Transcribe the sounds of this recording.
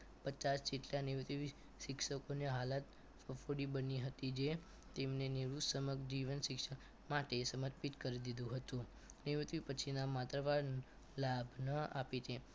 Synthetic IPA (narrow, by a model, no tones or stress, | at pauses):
pət͡ʃasd͡ʒeʈlaniʋt̪ʋi | ʃɪkʃəkoneɦalat̪ | fəfoɽibəniɦət̪id͡ʒe | t̪emneniɾusəməɡd͡ʒiʋənʃɪkʂək | maʈesəmət̪pit̪kəɾid̪id̪ũɦət̪ũ | niʋit̪ʋipət͡ʃʰinamat̪ɾəʋaɾ | labʱnəapit̪ʰe